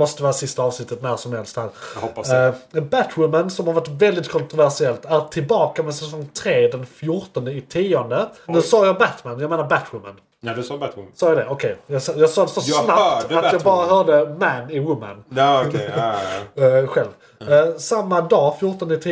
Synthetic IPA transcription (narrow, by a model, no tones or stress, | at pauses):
mɔst̪əvɛːɾasɪst̪aɑːvsnɪt̪ːət̪̚næɾʂɔmhɛlst̪d̪ɛhæːɾ | bæt̪wʊmansɔmhaɾvaʈːvɛld̪ɪt̪̚kʰɔnt̪ɾʊvæʂɪɛlt̪æɾʈʰɪlbɑːkamɛsɛsɔŋt̪ʰɾeːd̪ɛnfjʊɾʈɔnd̪əɪt̪ʰiːɔnd̪ənʉːsɑːjɑbæt̪manjɑɡmeːnaɾbæt̪ʰwʊma̰n | sɑːjad̪ɛʔɔkʰɛjjɑsɑjɑːɡsɑːd̪ɛsɔsnapt̪at̪jɑːɡbɑːɾaɦœːdəmænɪwʊmːə̰n | ɧɛlv | samːad̪ɑːfjʊʈɔnd̪əɪt̪ʰi